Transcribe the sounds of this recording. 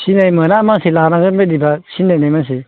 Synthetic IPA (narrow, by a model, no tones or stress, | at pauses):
sinajmɯnamaŋsilanaɡɯbadibasinːajnajmaŋsi